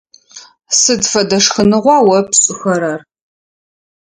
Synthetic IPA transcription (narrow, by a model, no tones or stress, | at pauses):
sɨdfɐdɐʂxɨnɨʁʷɑːwɐpɕʼɪxɐɾɐr